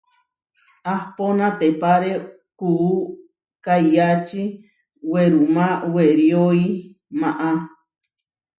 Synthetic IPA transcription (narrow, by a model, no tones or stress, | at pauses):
ahponãt̪epaɾe | kuː | kajat͡ʃi | weɾumaweɾjoi | maʔa